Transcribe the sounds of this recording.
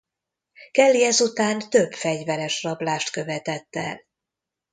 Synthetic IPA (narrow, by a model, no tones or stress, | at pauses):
kɛlːiɛzut̪aːnt̪ø̞bfɛɟvɛɾɛʃrɒblaːʃt̪kø̞vɛt̪ɛt̪ːɛ̰l